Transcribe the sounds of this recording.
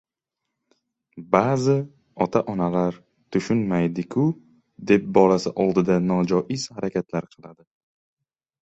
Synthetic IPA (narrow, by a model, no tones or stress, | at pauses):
bazɪ | ɒt̪ʰaʔɒnalaɾ | t̪ʰʊʃʊnmajd̪ɪkʲʰʊ | d̪e̞p̚bɒlasɪʔɒlˠd̪ɪd̪anɒd͡ʒɒʔɪz̥haɾʔakʲʰat̪ʰlaɾqʰɨlˠad̪ɪ